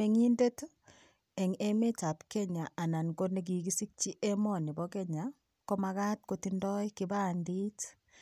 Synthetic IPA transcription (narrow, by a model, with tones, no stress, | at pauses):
e˨ŋi˦nde˦t | e˨ŋe˦me˦t͡ʃa˨pke˦ɲa˨ʔa˨na˨nko˦ne˦ɡ̬i˨ɡi˦si˦k̚t͡ʃi˦ʔe˦mɔ˨ni˨bɔ˦ke˦ɲa˨ | ko˦maka˦t̚kotindɔ˦jkiba˦ndi˦t